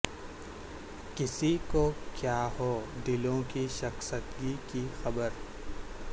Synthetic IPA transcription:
kɪsikokjaːɦoːɖ̪ɪlõkiʃɐxsət̪ɡikixɐbəɾ

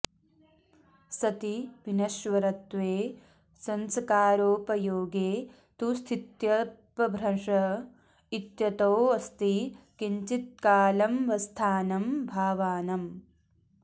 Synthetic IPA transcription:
sɐt̪iʋinɐʃʋɐɾɐt̪ʋeː | sɐnsɐkaːɾoːpɐjoːɡeː | t̪ust̪ʰit̪jɐpɐbʱɾɐʂɐ | it̪jɐt̪owɐst̪ikiɲt͡ʃit̪̚kaːlɐmʋɐst̪ʰaːnɐmbʱaːʋaːnɐm

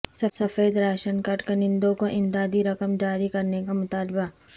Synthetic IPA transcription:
sɐsɐfeːd̪ɾaːʃənkɐʈkenɪ̃nd̪õkoʔɪmd̪aːd̪iɾɐkəmd͡ʒaːɾikɐɾnekamʊt̪aːlba

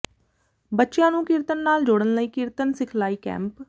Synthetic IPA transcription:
bətːʃjãːnũːkɪɾt̪ənːaːld͡ʒoːɽənləiːkɪɾt̪ənsɪkʰlaːiːkɛ̰̃ːmp

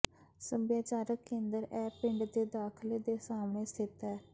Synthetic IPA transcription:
səbjaːt͡ʃaːɾəkːẽːnd̪əɾɛːpɪɳɖd̪eːd̪aːkʰleːd̪eːsaːmɳeːsɪt̪ɛː

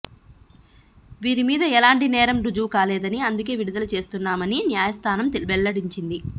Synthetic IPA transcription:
ʋiːɾimiːd̪ɐɛlaːɳʈinɛːɾɐmɾud͡ʒuːkaːlɛːd̪ɐniɐnd̪uk̬e̞ːʋiɽid̪ɐlɐt͡ʃe̞ːst̪unːaːmɐninjaːjɐst̪ʰaːnɐmt̪elbɛlːɐɽiɲt͡ʃind̪i

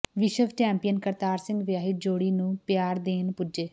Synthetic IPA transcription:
ʋɪʃəʋt͡ʃɛːmpijənkəɾt̪aːɾsɪ̃ŋɡʋjaːɦɪt̪̚d͡ʒoːɽiːnũːpjaːɾd̪eːnpʊd͡ʒeː

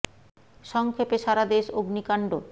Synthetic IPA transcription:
ʃɔŋkʰepeʃaɾad̪eʃoɡnikaɳɖo

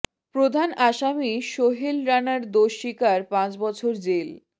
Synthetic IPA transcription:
pɾod̪ʱanaʃamiʃoɦilɾanaɾd̪oʃikaɾpãt͡ɕbɔt͡ɕʰoɾd͡ʑel

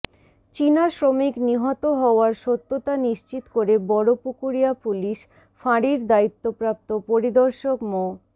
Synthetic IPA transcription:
t͡ɕinaʃɾomikniɦɔt̪oɦɔoaɾʃot̪ːot̪aniʃt͡ɕit̪koɾebɔɾopukuɾiapuliʃ | faɽiɾd̪ait̪ːopɾap̚t̪opoɾid̪ɔɾʃokmo

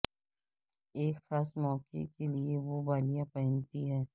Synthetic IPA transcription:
eːkxaːsmɔːkḛkelieʋobaːlijãpɐɦɪ̃nt̪iɦɛː

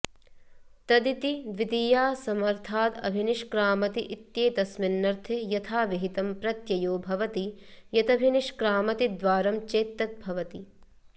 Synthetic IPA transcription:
t̪ɐd̪it̪id̪ʋid̪ijaːsɐmɐɾt̪ʰaːt̪ɐ̰bʱiniʂkɾaːmɐt̪iʔit̪jeːt̪ɐsminːɐɾt̪ʰejɐt̪ʰaːʋiɦit̪ɐmpɾɐt̪jɐjoːbʱɐʋɐt̪ijɐt̪ɐbʱiniʃkɾaːmɐt̪id̪ʋaːɾɐmt͡ʃeːt̪ːɐt̪̚bʱɐʋɐt̪i

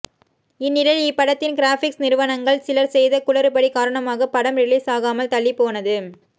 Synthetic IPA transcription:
ɪnːɪɽɐlɪpːɐɽɐt̪ːɪnɡɪɾaːfɪksnɪɾɯʋɐnɐŋɡɐɭsɪlɐɾsɛjðɐkʊɭɐɾɯpɐɽikaːɾɐɳɐmaːɣɐpɐɽɐmɾɪɭiːsaːɣaːmɐlt̪ɐɭːɪpːoːnɐðɯ

